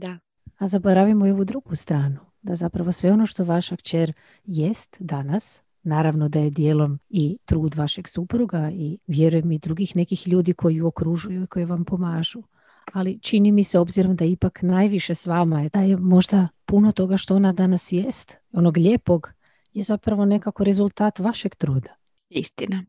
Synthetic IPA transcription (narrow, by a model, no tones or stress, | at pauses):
d̪a | azabo̞ɾaʋimoio̞ʋud̪ɾuɡust̪ɾaːnu | d̪azapɾaʋo̞sʋe̞o̞no̞ʃt̪o̞ʋaʃakt͡ʃeɾ | jest̪d̪anas | naːɾaʋno̞d̪aje̞d̪jeːlˠo̞mit̪ɾuːd̪ʋaʃe̞ɡsupɾuɡaiʋjeɾujemid̪ɾuɡixne̞kixʎuːd̪ikʰo̞jiuokɾuʒujuikʰo̞jeʋampo̞maːʒu | alit͡ʃinimiseo̞bziɾo̞md̪aipaknajʋiʃe̞sʋaːmajed̪ajemo̞ʒd̪apuno̞t̪o̞ɡaʃt̪o̞onad̪anasjest̪ | o̞no̞ɡʎepo̞ɡ | jezapɾaʋo̞ne̞kako̞ɾe̞zulˠt̪aːt̪ʋaʃe̞ɡt̪ɾuːd̪ḁ | ist̪ina